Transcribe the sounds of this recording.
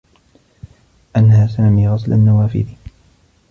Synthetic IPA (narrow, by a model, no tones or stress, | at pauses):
ʔanːhaːsaːmiːɣɑsla̰nːawaːfɪ̰d̪i